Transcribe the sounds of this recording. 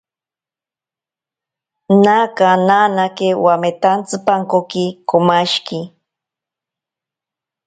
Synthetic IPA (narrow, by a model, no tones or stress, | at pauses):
nakananakewamet̪ant͡sɨpaŋkokikomaʃki